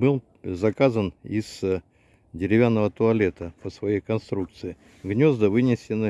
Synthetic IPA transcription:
bɨlˠ | zɐkazənɪ̰z̥ | dʲɪɾʲɪvʲanːəvət̪ʊɐlʲet̪əpəsvɐjejkɐnst̪ɾuk̚t̪sɨɪ | ɡnʲo̞zd̪əvɨnʲɪsʲɪnə

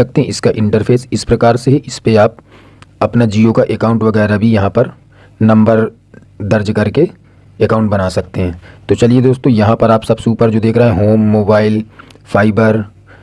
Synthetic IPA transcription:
ɐk̚t̪eɦɛ̃ɪskaʔɪ̃ɳʈəɾfʰeːsɪspɾɐkaːɾseɦiʔɪspeaːp̚ | ɐpnad͡ʒiokaʔekaːʊ̃ɳʈʋɐɡɛːɾabʱijɐɦãpɐɾ | nɐ̃mbəɾ | d̪ɐɾd͡ʒkɐɾke | ekaːʊ̃ɳʈbɐnaːsɐk̚t̪eɦɛ̃ːt̪ot͡ʃɐlied̪oːst̪õjɐɦãpɐɾaːpsɐbsuːpəɾd͡ʒoːd̪eːkʰɾɐɦeɦɛ̃ɦoːmːoːbaːɪlfʰaːɪbəɾ

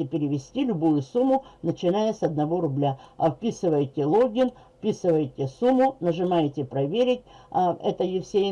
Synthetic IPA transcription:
ɪpʲɪɾʲɪʋʲɪsʲtʲilʲʊbujʊsumːʊnət͡ɕɪnajəsɐd̪nɐvo̞ɾʊblʲafpʲisɨvəjtʲɪlˠoɡʲɪn | fpʲisɨvəjtʲɪsumːʊnəʐɨmajtʲɪpɾɐvʲeɾʲɪtʲɛ̰t̪əjɪfsʲe

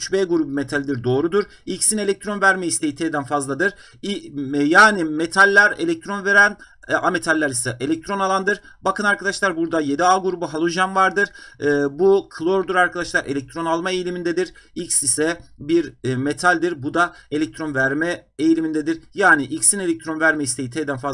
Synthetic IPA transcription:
yt͡ʃbeːɡuɾubume̞t̪ʰalʲd̪iɾd̪o̞ːɾud̪uɾ | icsinelʲɛc̚t̪ʰɾo̞nvæɾmejist̪ʰejit̪ʰejd̪ænfazlˠad̪ɯɾ | jaːnime̞t̪ʰalʲːæɾe̞lʲɛc̚t̪ʰɾo̞nve̞ɾæn | ame̞t̪ʰalʲːæɾisɛʔe̞lʲɛc̚t̪ʰɾo̞nalˠand̪ɯɾ | bakʰɯnaɾkʰad̪aʃlˠaɾbuɾd̪aje̞d̪iaːɡuɾubuɦalˠoʒanvaɾd̪ɯɾ̥ɯːbukʰɯlˠoɾd̪uɾaɾkʰad̪aʃlˠaɾe̞lʲɛc̚t̪ʰɾo̞nalˠmaejlʲimind̪ed̪iɾicsisɛbiɾme̞t̪ʰalʲd̪iɾbud̪ae̞lʲɛc̚t̪ʰɾo̞nvæɾmɛejilʲimind̪ed̪iɾjaːniʔicsine̞lʲɛc̚t̪ʰɾo̞nvæɾmɛist̪ʰejit̪ʰejd̪ænfa

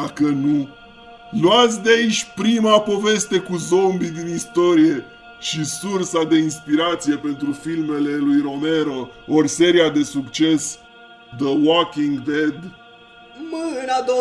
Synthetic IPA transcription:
akənu | luat̪sʲd̪eait͡ʃʲpɾimapo̞ve̞st̪e̞kuzo̞mbid̪inist̪o̞ɾije̞ | ʃisursad̪e̞inspiɾat̪sije̞pe̞nt̪ɾufilme̞le̞lujɾo̞me̞ɾo̞orʲse̞ɾiad̪e̞sukt͡ʃe̞s | d̪əwokiŋɡd̪ed̪ | mɨnad̪o

